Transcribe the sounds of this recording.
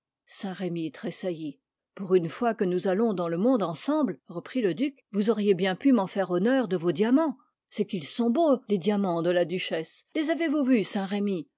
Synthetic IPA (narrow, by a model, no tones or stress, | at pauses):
sɛ̃ʁemit̪χesaji | puʁynfwakənuzalɔ̃d̪ɑ̃ləmɔ̃d̪ɑ̃sɑ̃blʁəpχiləd̪ykvuzɔʁjebjɛ̃pymɑ̃fɛʁɔnœʁd̪əvod̪jamɑ̃ | sɛkilsɔ̃boled̪jamɑ̃d̪əlad̪yʃɛslezavevuvysɛ̃ʁemi